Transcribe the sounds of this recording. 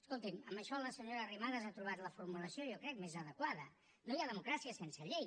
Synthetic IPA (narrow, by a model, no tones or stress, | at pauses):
əskolˠt̪iməmbəʃɔləsəɲoɾərimanəzat̪ɾuβ̞at̪ləfuɾmuləsiojɔkɾɛk̚mezəðəkwaðə | nojaðəmukɾasiəsensəʎej